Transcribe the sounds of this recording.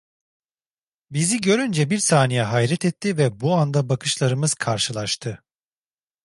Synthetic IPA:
biziɟø̞ɾynd͡ʒɛbiɾsaːnijɛɦajɾɛt̪ʰɛt̪ʰːivɛbuand̪abakʰɯʃlˠaɾɯmɯz̥kʰaɾʃɯlˠaʃt̪ʰɯ

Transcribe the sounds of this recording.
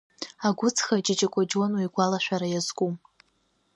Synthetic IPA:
aɡʷʊt͡sʰxad͡ʒɪd͡ʒʼakʷʼad͡ʒwanwijɡʷalaʃʷᶣaɾajazɡʷʼum

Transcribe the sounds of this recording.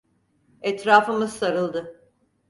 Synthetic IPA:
ɛt̪ɾaːfɯmɯz̥saɾɯlˠd̪ɯ

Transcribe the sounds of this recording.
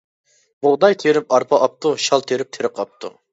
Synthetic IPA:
bʊʁd̪ɑjt̪ʰeɾɪp̚ɑɾpʰɑʔɑp̚t̪uʃɑlˠt̪ʰeɾɪp̚t̪ʰeɾɨqʰɑp̚t̪ʰṵ

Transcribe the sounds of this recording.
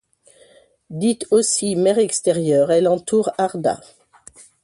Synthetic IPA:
d̪it̪osimɛʁɛkst̪ɛʁjœʁɛlɑ̃t̪uʁaʁd̪a̰

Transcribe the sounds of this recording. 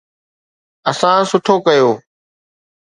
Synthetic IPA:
əsãːsʊʈʰoːkəjoː

